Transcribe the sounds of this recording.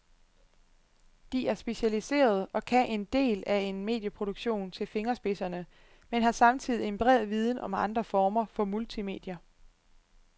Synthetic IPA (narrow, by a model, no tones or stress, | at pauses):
d̥iæɐsb̥e̝ɕælise̝̰ːɐð̞ˠɒ̽kʰæʔe̝nd̥e̝̰ːlæe̝nme̝̰ːd̥jəpʰʁo̝d̥uɡ̥ɕo̝̰ːnt͡sʰe̝lfe̝ŋɐsb̥e̝sɐnə | menɦɑ̈sɑ̈mt͡sʰið̰ˠienmb̥ʁɛ̰ð̩ˠʋið̞ˠn̩ʔɒ̽mɑ̈nd̥ʁɐfɒːmɐfɒ̽mult͡sʰime̝̰ːd̥jɐ